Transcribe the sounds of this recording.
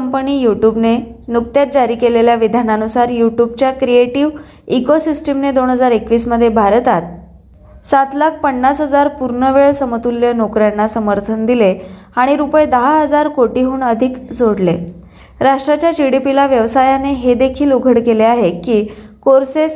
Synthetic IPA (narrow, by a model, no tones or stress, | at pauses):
əmpəniːjuʈjubnenuk̚t̪jat̪̚d͡ʑaɾiːkeleljaʋid̪ʱananusaɾjuʈjub̚t͡ɕjakɾieʈiʋ | ikosisʈəmned̪onɦəd͡zaɾekʋiːsməd̪ʱːjebʱaɾt̪at̪̚ | sat̪lak̚ʰpəɳːasɦəd͡zaɾpuɾɳəʋeɭsəmət̪ulːjənokɾjanːasəməɾt̪ʰənd̪ile | aɽ̃iɾupəjd̪əɦaɦəd͡zaɾkoʈiɦuːɳəd̪ʱikd͡zoɽle | ɾaʂʈɾat͡ɕjad͡ʑiɽipilaʋjəʋsajaneɦed̪ekʰiːluɡʱəɽkeleaɦekiːkoɾses